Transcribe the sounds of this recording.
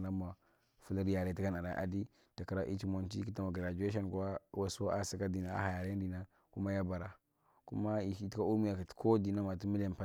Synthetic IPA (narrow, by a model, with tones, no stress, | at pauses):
na˦ma˨ | fu˦li˦ɾja˨ɾe˦ti˦ɡa˦na˨ɾa˨ʔa̰˨di˦ | ta˨ka˨ɾa˨ʔi˦t͡ʃi˦mo˨nt͡ʃḭ˦ki˦ta˦ma˨ɡi˨ɾa˨d͡ʒu˨˦e˦ʃ̬a˦n˨kwa˦wa˦so˦a˦˨si˨ka˦di˨na˨a̰˦ha˨ja˨ɾe˦n˦di˨na˦ | ku˦ma˦ja˦ba˨ɾa˨ | ku˦ma˦i˨ti˦ka˦u˦mi˦ja˨ki˨tko˦di˨na˦ma˨ti˦mi˦le˨m˨pa˦